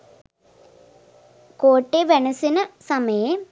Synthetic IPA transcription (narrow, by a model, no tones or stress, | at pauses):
koːʈːeʋeɳɐsinɨsɐmɐjɐ